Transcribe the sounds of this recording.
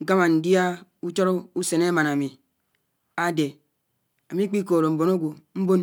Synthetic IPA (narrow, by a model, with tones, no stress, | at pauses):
ŋ̩˦ka˦ma˨n̩˨di˦a˦u˦t͡ʃo˦ɾo˦u˦se˨ne˦ma˨na˨mi˨ | a˦de˨ | a˨mi˦k͡pi˦ko˨ɾo˨m̩˨bo˨no˦ɡʷo˨m̩˦bo˦n